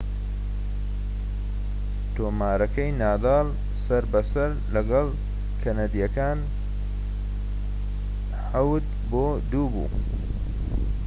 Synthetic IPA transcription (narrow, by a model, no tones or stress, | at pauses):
t̪oːmaːɾɐkɐjnaːd̪ɑːl | sɐɾbɐsɐɾlɐɡɐl | kʰɐnad̪ijɐkaːn | ħawd̪̚ | boː | d̪uːbṵː